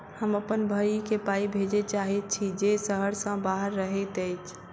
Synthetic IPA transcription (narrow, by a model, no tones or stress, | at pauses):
həməpənbʱəikepaibʱed͡ʒet͡ʃaɦit̪̚t͡ʃʰid͡ʒesəɦəɾsə̃baɦəɾːəɦɛt̪əɪt͡ʃʰ